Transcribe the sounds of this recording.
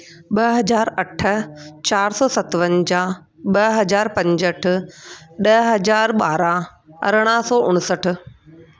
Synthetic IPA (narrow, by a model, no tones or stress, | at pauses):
ɓɐɦɐd͡ʑaːɾɐʈʰə̆t͡ɕaːɾsɔːsɐt̪ʋənd͡ʑãː | ɓɐɦɐd͡ʑaːɾpɐ̃ɲd͡ʑəʈʰʊ̆ɗɐɦɐd͡ʑaːɾɓaːɾãɐ̰ɾɽ̃ãsɔːʔʊɽ̃səʈʰʊ̆